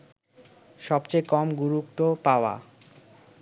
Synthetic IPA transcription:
ʃɔbt͡ɕejkɔmɡuɾukt̪opaoa̰

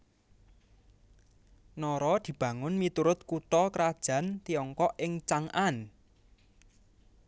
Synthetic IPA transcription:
nɔɾɔd̪̥i̤b̥ä̤ŋʊnmit̪uɾʊt̪̚kuʈɔkəɾad̥ʒ̥ä̤nt̪iɔŋkɔʔɪŋt͡ʃaŋʔan

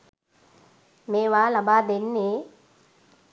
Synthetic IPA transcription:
meːʋaːlabaːd̪enːeː

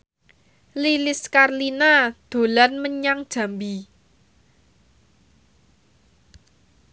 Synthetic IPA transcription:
lilɪskarlinad̪̥o̤lanməɲaŋd̥ʒ̥ä̤mbi

